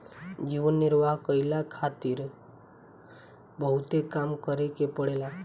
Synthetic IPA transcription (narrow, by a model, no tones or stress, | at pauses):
d͡ʒiʋənːɪɾʋaɦkəilakʰat̪iɾ | bəɦut̪ekamkəɾekepəɽela